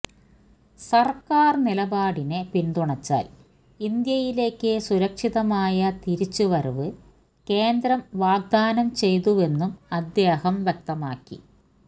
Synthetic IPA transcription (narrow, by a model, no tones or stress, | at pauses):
sɐrkːaːrnilɐbaːɽinepind̪uɳɐt͡ɕːa̰ːl | ind̪jɐjile̞ːkːɨsuɾɐkʂiðɐmaːjɐt̪iɾit͡ɕːuʋɐɾuʋɨ | ke̞ːnd̪ɾɐmʋaːɡ̚d̪aːnɐmt͡ɕe̞jt̪uʋe̞nːumɐd̪jeːhɐmʋjɐk̚t̪ɐmaːkːḭ